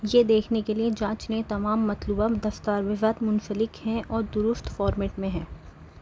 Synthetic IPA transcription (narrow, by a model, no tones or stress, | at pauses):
jed̪eːkʰnekelied͡ʒãːt͡ʃnet̪ɐmaːmːɐt̪luːbad̪ɐft̪aːɾʋɪzaːt̪mʊ̃nsəlɪkhɛ̃ʔɔːɾd̪ʊɾʊst̪fɔːɾmeːʈmẽɦɛ̃ː